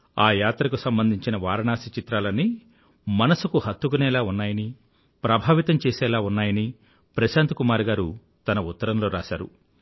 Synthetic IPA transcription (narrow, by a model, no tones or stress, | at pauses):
aːjaːt̪ɾɐkusɐmbɐnd̪ʱiɲt͡ʃinɐʋaːɾɐnaːsit͡ʃit̪ɾaːlɐnːi | mɐnɐsukuhɐt̪ːukunɛːlaːunːaːjɐni | pɾɐbʱaːʋit̪ɐmt͡ʃɛːsɛːlaːunːaːjɐni | pɾɐʃaːnt̪ukumaːɾɡaːɾu | t̪ɐnɐut̪ːɐɾɐmlo̞ːɾa̰ːʃa̰ːɾṵ